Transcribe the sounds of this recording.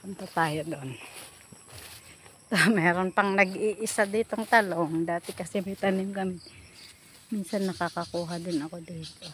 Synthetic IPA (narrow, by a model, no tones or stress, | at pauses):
pʊnt̪at̪aːjod̪oʔn | t̪omɛːɾonpɐŋnɐɡiːʔɪsad̪iːt̪oŋt̪aloŋd̪aːt̪ɪkɐsɛmɐjt̪ɐnɪmkɐmɪ | minsanːɐkakɐkuːɦad̪ɪnɐko̞d̪iːt̪o